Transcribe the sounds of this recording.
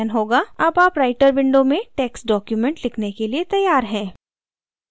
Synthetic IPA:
nɦoːɡaaːpaːpɾaːɪʈəɾʋɪ̃ɳɖomẽʈɛːksɖɔːkjumɛ̃ɳʈlɪkʰnekeliet̪ɐjːaːɾɦɛ̃ː

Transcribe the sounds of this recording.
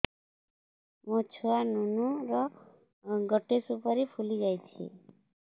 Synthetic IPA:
mõt͡ʃʰoanunuɾɔ | ɡɔʈesupɔɾipʰuliɡajt͡ʃʰḭ

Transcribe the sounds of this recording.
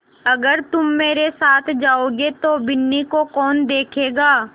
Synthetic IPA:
ɐɡəɾt̪ʊmːeːɾesaːt̪ʰd͡ʒaːoːɡet̪obɪnːikokɔːnd̪eːkʰeːɡaː

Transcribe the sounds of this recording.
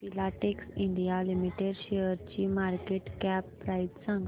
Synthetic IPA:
pilaʈeksĩɳɖijalimiʈeɖʃejəɾt͡ɕimaːɾkeʈkɛpːɾajt̪sãŋɡ

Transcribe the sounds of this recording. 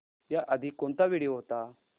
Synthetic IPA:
jaʔəd̪ʱikont̪aʋiɽiːɦot̪a

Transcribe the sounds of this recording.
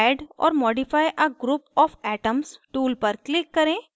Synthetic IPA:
ɛːɖɔ̰ːɾmɔːɖɪfaːjʔɐɡɾuːpɔːfɛːʈəmsʈuːlpɐɾklɪkːɐɾẽː

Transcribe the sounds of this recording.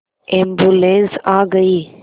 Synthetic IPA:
ẽːmbulẽːnsaːɡəiː

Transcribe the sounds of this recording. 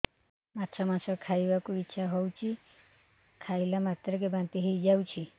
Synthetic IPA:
atsʰamasɔkʰajbakuitːʃʰaɦɔwt͡ʃʰi | kʰajlamat̪ɾɔk̬ebant̪iɦejd͡ʒawt͡ʃʰi

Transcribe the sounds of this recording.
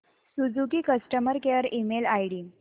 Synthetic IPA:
sud͡zukiːkəsʈəməɾkeəɾimelajɽiː

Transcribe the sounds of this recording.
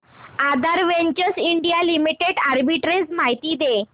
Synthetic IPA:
ad̪aɾʋeɲt͡ɕəsiɳɖijalimiʈeɽaɾbiʈɾed͡zmaɦit̪iːd̪e

